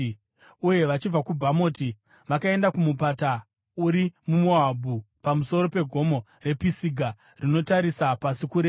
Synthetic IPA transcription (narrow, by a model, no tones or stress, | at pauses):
uje̞ʋat͡ʃib͡vakubʱamoti | ʋakae̞ndakumupata | uɾimumoabʱupamuso̞ɾo̞pe̞ɡʱo̞mo̞ | re̞pisiɡʱa | rino̞taɾisapasikuɾeː